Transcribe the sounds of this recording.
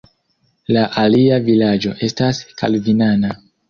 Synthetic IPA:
laʔaliavilad͡ʒo̞ʔe̞staska̰lvinana

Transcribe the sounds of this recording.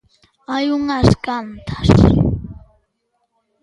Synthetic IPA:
ajʊŋaskant̪ʰḁs

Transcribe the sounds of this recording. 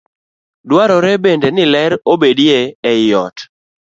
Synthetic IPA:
dwaɾɔɾɛbendenɪlɛɾobedjeɛjɔt

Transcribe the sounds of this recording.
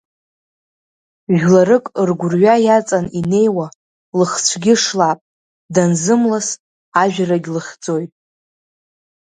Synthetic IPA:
ʒᶣlaɾɨkʼɨrɡʷʊrɥajat͡sʼanine̞jwa | lɨχt͡sʷʰɡʲɪʂlapʼ | danzɨmlas | aʒᶣaraɡʲlɨχʲd͡zʼo̞jtʼ

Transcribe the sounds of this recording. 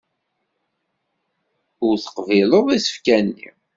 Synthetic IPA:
ʊɾθə̥qviləðˤisə̥fkænːḭ

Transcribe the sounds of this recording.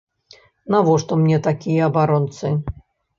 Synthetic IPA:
navɔʂt̪ɔmnʲɛt̪akʲijɐɐbaɾɔnt̪sɨ

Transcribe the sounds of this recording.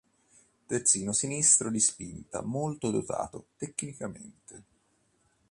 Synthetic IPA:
t̪ert̪siːnosinist̪ɾod̪ispint̪a̰molt̪od̪ot̪a̰ːt̪ot̪ekːnikamḛnt̪e

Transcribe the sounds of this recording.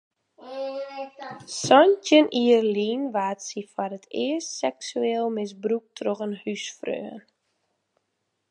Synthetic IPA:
sɔntənʔiərliːnʋaːtsifarətʰɪəstsɛksyeːlˠmɪs̬bruk̚tʰroɣənhysfrø̰ən

